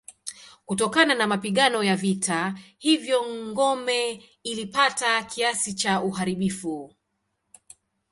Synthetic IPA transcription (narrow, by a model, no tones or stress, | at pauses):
kutɔkananamapiɠanɔjavitʰahivjɔŋɡɔmɛ | ilipatakʰiasit͡ʃauɦaɾiɓifu